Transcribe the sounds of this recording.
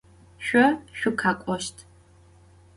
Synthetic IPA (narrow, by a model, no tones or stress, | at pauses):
ʃʷᶣɔʃʷᶣʊkʰaːkʷʼɔʃtʰ